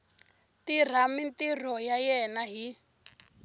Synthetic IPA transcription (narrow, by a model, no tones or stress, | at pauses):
tir̤amintir̤ɔjajɛnaɦi